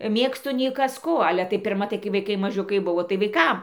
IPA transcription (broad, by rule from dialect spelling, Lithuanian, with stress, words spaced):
ˈmʲeːkstʊ nʲɛɪ ˈkɐs ˈkoː ˈɑːlʲɛ tɐɪ pʲɪrˈmɐ tɐɪ kɐɪ ʋɐɪˈkɐɪ mɐˈʒʲʊkɐɪ ˈbʊʋoː tɐɪ ʋɐɪˈkɐm